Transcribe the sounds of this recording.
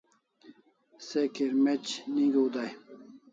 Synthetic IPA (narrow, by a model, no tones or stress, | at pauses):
sekeɾmet͡ɕnĩɡuud̪aj